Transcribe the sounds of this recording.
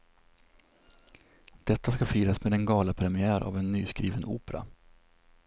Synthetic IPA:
d̪̥ɛt̪ːaskafyːɾasmeːd̪ɛnɡɑːlapʰɾɛmɪæːɾʔa̰vɛnːyːskɾiːvənuːpɛɾa̰

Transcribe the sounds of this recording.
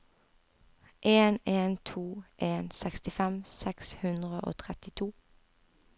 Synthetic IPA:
ʔeːneːnt̪ʰuːʔeːnsɛkst̪ɪfɛmsɛkshʉnd̪ʁəʔo̰ːt̪ʰʁɛt̪ɪt̪ʰuː

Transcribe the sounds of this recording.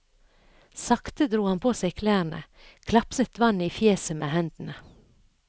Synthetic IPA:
sɑkt̪əd̪ɾuːhɑnpʰoːsæɪkʰlæːɾnə̰ | kʰlɑpsət̪ʋɑniːfjeːsəmḛːhɛnd̪̥n̩ə

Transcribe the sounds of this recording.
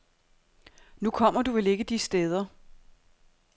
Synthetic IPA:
nukʰɒ̽m̰ɐd̥uʋele̝ɡ̥əd̥isd̥eð̞ˠɐ

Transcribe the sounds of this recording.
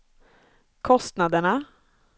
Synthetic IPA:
kʰɔst̪nad̪əɳa

